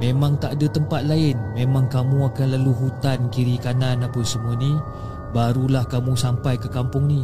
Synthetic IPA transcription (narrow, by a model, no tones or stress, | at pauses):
memãŋt̪aʔdat̪əmpat̪̚laɪnmemaŋkamũakanlaluɦut̪ankiɾikananapəsəmuani | baɾulahkamũsampajkəkampʊŋni